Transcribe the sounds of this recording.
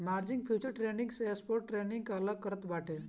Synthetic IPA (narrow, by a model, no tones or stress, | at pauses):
maɾd͡ʑiŋɡ̚pʰjut͡ɕəɾʈɾenĩŋɡsespoɾʈ̚ʈɾeniŋɡkaləkːəɾət̪baʈʰe